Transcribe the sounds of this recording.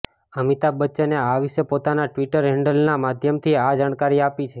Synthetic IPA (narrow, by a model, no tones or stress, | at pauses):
əmit̪abətːʃeneaʋiʃepot̪anaʈʋiʈəɾɦɛɳɖəlnamad̪ʱjəmt̪ʰiad͡ʒaɽ̃kaɾiapit͡ʃʰe